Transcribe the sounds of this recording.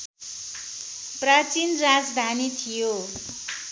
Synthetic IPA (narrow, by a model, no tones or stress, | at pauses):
prʌt͡sinrad͡zd̪ʱanit̪ʰijo